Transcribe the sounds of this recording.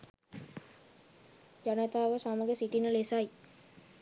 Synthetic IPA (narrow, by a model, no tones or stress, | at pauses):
d͡ʒanət̪aːʋəsaməɡəsiʈinəlesaj